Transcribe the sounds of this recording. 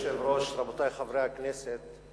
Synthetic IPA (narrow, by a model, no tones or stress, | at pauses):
ʃelɾoʃɾɑbot̪aːjxavɾejakneːset̪